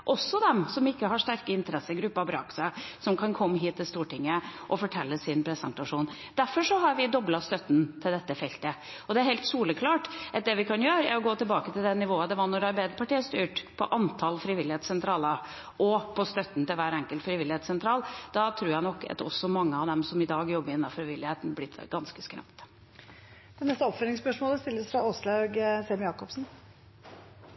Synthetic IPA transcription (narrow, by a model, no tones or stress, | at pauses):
ʔɔsːɔd̪ɛmsɔmɪkːəɦɑʂt̪æɾkəɪnt̪əɾɛsːəɡɾʉpːɑbɾɑ̰ksɛsɔmkʰɑnkʰɔmːəɦiːt̪ːɪlst̪uːʈɪŋːəʔɔfɔʈʰɛlːəsɪnpʰɾɛsənt̪ɑʂuːn | d̪̥æɾfɔʂɔɦɑɾʋɪd̪ɔblɑst̪œt̪ːn̩t̪ʰɪld̪ɛt̪ːəfɛlt̪ə | ɔd̪ɛæɾhɛɪlt̪suːləkʰlɑːʈʔɛt̪̚d̪ɛʋɪkʰɑnjøːɾəæ̰ɾɔɡoːt̪ɪlbɑːkət̪ʰɪld̪ɛnːɪʋoːɑd̪ɛʋɑnːɔɾɑɾbæɪd̪əpʰɑʈiːəst̪yːʈpʰɔ̰ʔɑnt̪ʰɑlfɾɪʋɪlɪeːt̪sɛnt̪ʰɾɑːlə | ʔɔpʰɔst̪œt̪ːn̩t̪ɪlʋæːɾɛŋkəlt̪fɾɪʋɪlːɪheːt̪sɛnt̪ʰɾɑːld̪̥ɑt̪ʰɾuːjænɔkːɑ̰t̪ɔ̰sːɔmɑŋːəɑʋd̪ɛmsɔmɪd̪ɑːɡjɔbːəɾɪnːɑfɾɪʋɪlːɪheːt̪ən̩blɪt̪ɡɑnskəskɾɑ̰pt̪ | d̪̥ɛnɛst̪əɔpfœlɪŋspœʂmoːləst̪ɪlːəsfɾɑɔslɑɡsemjɑːkɔpsn̩